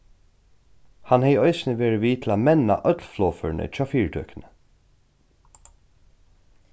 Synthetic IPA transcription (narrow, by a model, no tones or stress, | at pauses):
hɑnheɪœʏsnəʋeːɹəʋiːt̪ʰl̩aːmɛna̰ʔœt̪lflɔːfœ̰ːɳʔə̰t͡ʃʰɑːfiːɹd̪ʰœ̰ːknə